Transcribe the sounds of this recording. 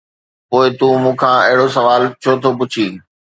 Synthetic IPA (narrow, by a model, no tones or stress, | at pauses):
poːɪt̪ũmũːkʰãɪɦɪɽosɐʋaːlt͡ɕʰot̪ʰopʊt͡ɕʰiː